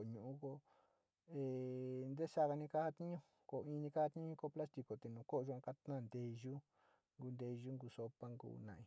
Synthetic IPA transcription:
ɲũ˧ʔũ˦ko˧ | e˧nd̪e˦ʂa˦ka˧nĩ˧ka˦ha˦˧t̪ĩ˦ɲũ˦˧ | ko˨ĩ˦˧nĩ˧ka˦ha˧t̪ĩ˦ũ˧ko˦pla˦st̪i˧ko˨t̪e˨nũː˨˧ko˦ʔu˧ã˧ka˧t̪nã˦˨nd̪e˧ʒu˦ | ŋɡu˧nd̪e˧ʒu˦ŋɡu˧so˧pa˦ŋɡṵ˦nã̰˨ĩ˧

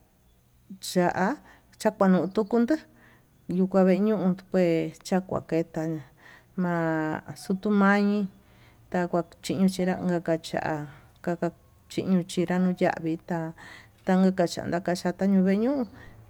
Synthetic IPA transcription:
t͡ʃa˨ʔa˧ | t͡ʃa˦kʷa˧nũ˨ʔũ˧t̪u˦ku˧nd̪ɨ˦ | ju˧kʷa˧βe˧ɲũ˦ʔũ˧pʷe˧t͡ʃa˦kʷa̰˨ke˧t̪a˧ɲã˨˧ | mã˧su˧t̪u˧mã˦ɲĩ˧ | t̪a˧kʷa˧t͡ʃi˦ʔɲũ˧t͡ʃi˧ɾa˦˧ŋɡa˧ka˧t͡ʃa̰˨ʔa˧ | ka˧ka˧ | t͡ʃḭ˧ʔɲũ˧t͡ʃi˧ɾa˦nũ˧ja̰˧˨ʔβi˧t̪a˧ | t̪a˧ŋ˦ɡa˧ka˧t͡ʃa̰˨ʔa̰˨nd̪a˧˦ka˧t͡ʃa˧t̪a˦ɲũ˧βe˦˧ɲũ˦ʔũ˧

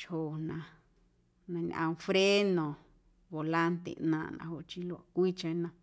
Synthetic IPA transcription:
t͡ʃho˨nã˧ | nã˧ɲ̃˧ʔã̰˧ũ˧fɾe˦nõ˨ | βo˨la˦nt̪ḛ˧nã̰˧˨nã̰˧˨ho˧˨t͡ʃi˦lo˧a˧kʷi˦t͡ʃã˧˦nã˧

